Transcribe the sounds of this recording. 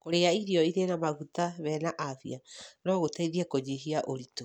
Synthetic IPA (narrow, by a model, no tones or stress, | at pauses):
koɾeaiɾiɔiɾenamaɣutaβɛnaʔavianɔɣotaiðiakoɲeɦiaʔoɾito